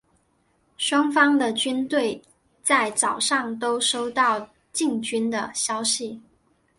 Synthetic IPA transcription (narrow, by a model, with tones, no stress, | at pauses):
ʂwɑ˥ŋfɑ˥ŋd̪ə˨t͡ɕy˥nt̪we˥˩ɪ | t͡sa˥˩ɪt͡sɑ˨˩ʊʂɑ˥˩ŋt̪o˥ʊʂo˥ʊt̪ɑ˥˩ʊ | t͡ɕi˥˩ŋt͡ɕy˥nd̪ə˨ɕjɑ˥ʊɕi˨˩